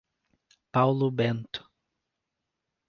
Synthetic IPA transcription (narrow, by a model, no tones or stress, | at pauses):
pawlʊbẽnt̪ʊ̥